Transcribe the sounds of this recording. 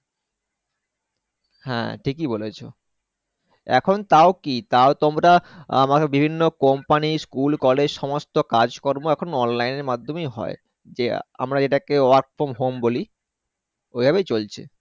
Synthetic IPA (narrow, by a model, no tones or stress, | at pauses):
hɛ̰̃ʈʰikibolet͡ɕʰo̰ | ɛ̰kʰont̪aokit̪aot̪omɾaamakebibʱinːokɔmpaniskulkɔled͡ʑʃɔmost̪okad͡ʑkoɾboɛkʰonɔnlajneɾmad̪ʱːomejɦɔ̰e | d͡ʑea̰mɾad͡ʑeʈakeoaɾʈfomɦomboli | ojbʱabejt͡ɕolt͡ɕʰḛ